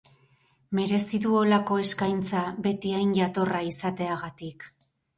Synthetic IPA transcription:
me̞ɾe̞siðuo̞lako̞e̞skajnt͡saβe̞t̪iajnʝat̪o̞raisat̪e̞aɣat̪ik

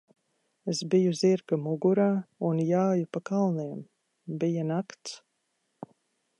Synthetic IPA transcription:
esbijuziɾkamuɡuɾaːunjaːjupakalˠniɛm | bijanakt̪s

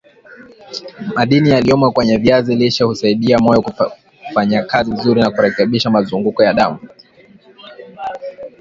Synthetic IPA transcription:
maɗinijaliɔmwakwɛɲɛviaziliʃahusaiɗiamɔjɔku | faɲakazinzuɾinakuɾɛkɛɓiʃamazuŋɡukɔjaɗamu

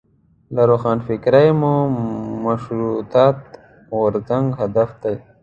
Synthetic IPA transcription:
laɾoxɑːnfɪkɾajmumaʃɾut̪ɑːt̪ | wʊɾzaŋɡhad̪afd̪aj

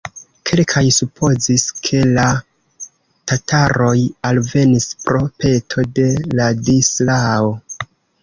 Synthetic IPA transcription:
kʰe̞lkʰajsupʰo̞ziskʰe̞la | tataɾo̞jalve̞nispɾo̞pe̞tʰo̞de̞ladislao

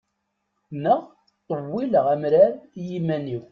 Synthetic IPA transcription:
nəʁ | t̪ˤːəwːiləʁæmɾæɾjimæniw

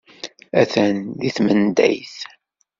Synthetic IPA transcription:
æθænðiθmənd̪æ̰jθ

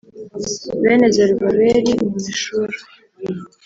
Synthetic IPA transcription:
βeːnezeɾiβaβeɾimuziʃuɾe

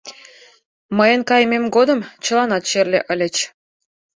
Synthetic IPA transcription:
məjənkɑjmʲemɡod̪ə̆mt͡ɕə̆lɑnɑt̪ɕerlʲeʔə̆lʲə̆t͡ɕ

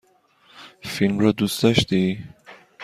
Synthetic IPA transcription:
filmɾɒd̪usd̪̥ɔʃd̪i

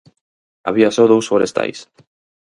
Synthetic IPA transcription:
a̰β̞iasoðowsfoɾest̪a̰js

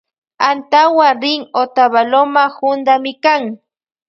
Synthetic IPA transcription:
ant̪awaɾɪŋot̪aβalomahʊnd̪amɪkaŋ

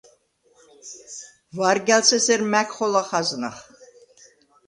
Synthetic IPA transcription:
vaɾɡʲalsʰɛsɛɾmækʰχɔlaχazna̰χ

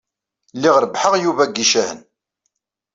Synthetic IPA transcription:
lːɪʁɾəbħəʁjuvæɡːiʃæhə̰n

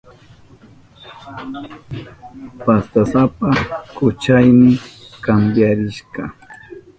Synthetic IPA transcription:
past̪asapakʊt͡ʃajmɪkambjaɾɪʃɢɑ

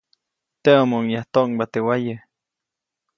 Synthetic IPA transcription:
t̪eomoŋjaht̪oŋbat̪ewajə

